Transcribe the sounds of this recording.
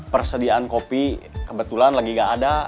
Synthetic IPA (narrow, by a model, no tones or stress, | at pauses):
pərsədiaankopikəbət̪ulanlaɡiŋaʔːda